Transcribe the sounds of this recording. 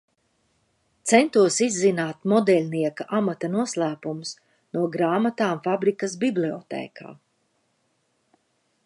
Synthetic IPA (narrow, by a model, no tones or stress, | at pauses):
t̪sɛnt̪uɔsizːinaːt̪mɔd̪ɛlʲniɛkaʔamat̪ɐnuɔslˠæːpumus | nuɔɡɾaːmat̪aːmfabɾikɐsbibliɔt̪ɛ̰ːkʰa̰ː